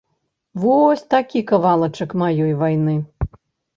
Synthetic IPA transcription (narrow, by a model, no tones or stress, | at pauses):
vɔsʲt̪akʲikɐvalˠɐt͡ʂɐkmajɔjvajnɨ